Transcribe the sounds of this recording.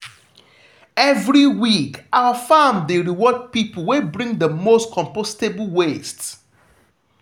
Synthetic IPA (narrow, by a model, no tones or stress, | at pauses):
ɛvɹiwikawəfamdeɹiwɔd̚pipl̩webɹĩŋdəmostkʰɔ̃mpostebl̩west